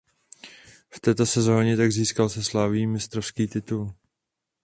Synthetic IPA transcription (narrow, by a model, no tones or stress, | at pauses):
ft̪ɛːt̪o̞sɛzo̞ːɲɛt̪aɡziːskalsɛslaːviːmɪst̪ɾofskiːt̪ɪt̪ul